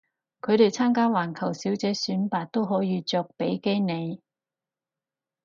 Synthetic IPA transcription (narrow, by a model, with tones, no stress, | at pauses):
kʰɵ˨˧ɥt̪e˨jt͡sʰaː˥mkaː˥waː˨˩nkʰɐ˨˩wsiː˨˥wt͡sɛː˨˥syː˨˥npaː˨˧t̚t̪o˥wɦɔː˨˥jiː˨˧t͡sɔː˨˧k̚pe˨˥jke˥jne˨˧j